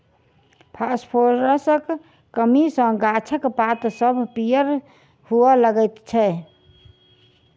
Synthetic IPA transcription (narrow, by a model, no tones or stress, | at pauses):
pʰaspʰoɾɾəsə̃k | kəmisə̃ɡat͡ʃʰəkpat̪səbʱpijəɾ | hualəɡəjt̪t͡ʃʰɛ